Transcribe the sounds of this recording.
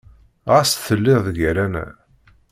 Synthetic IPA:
ʁasθəlːɪððəɡæɾænæ̰

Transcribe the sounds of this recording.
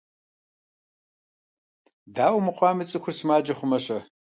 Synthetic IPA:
daːwmɨqʷɑːmɨt͡sʼɨxʷʊrsɨmaːd͡ʒɐχʷʊmɐɕʼɐ

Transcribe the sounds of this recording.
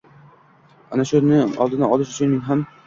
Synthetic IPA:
anaʃʊnɪɒ̰lˠd̪ɪnaɒlˠɪʃʊt͡ʃʰʊnːɪŋɦam

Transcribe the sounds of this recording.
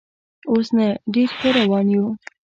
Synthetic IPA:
osnaɖeɾpəɾawɑnju

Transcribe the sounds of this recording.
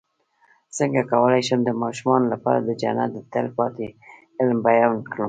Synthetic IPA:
səŋɡakawəlajʃəmd̪əmɑʃumɑnolapɑ̰ɾa̰d̪əd͡ʒa̰na̰t̪̚d̪ət̪alpɑt̪e | ɪlmbajɑnkɽum

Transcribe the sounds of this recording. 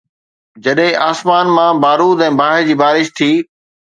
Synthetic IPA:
d͡ʑɐɗɦɪ̃ʔaːsmaːnmãbaːɾuːd̪ɛ̃ːbaːɦɪd͡ʑiːbaːɾɪʃt̪ʰiː

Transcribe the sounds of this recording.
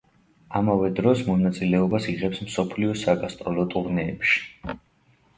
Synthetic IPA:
amavɛd̪ɾɔsmɔnat̪sʼilɛɔbasiʁɛpsmsɔpʰliɔsaɡast̪ʼɾɔlɔt̪ʼuɾnɛːpʃi̥

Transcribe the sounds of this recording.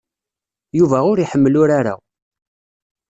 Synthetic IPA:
juvæʊɾiħəmːəlʊɾaɾa̰

